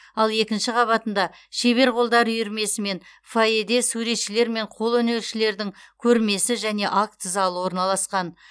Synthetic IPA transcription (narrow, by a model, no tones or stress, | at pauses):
ɑlˠe̞kʲɪnʃɪqʰɑβɑt̪ənd̪ɑ | ʃe̞βe̞ɾqʰo̞lˠd̪ɑɾʏjɪɾme̞sɪme̞n | faed̪e̞suɾe̞t̪ʃɪle̞ɾme̞ɴqʰo̞lˠɵne̞lʃɪle̞ɾd̪ɪŋkʲʰɵɾme̞sɪʒæne̞ʔakt̪zɑlˠəwo̞ɾnɑlˠɑsqɑn